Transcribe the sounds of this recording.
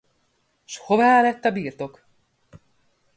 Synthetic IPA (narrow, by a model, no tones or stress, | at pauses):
ʃhovaːlɛt̪ːɒbiːrt̪o̞k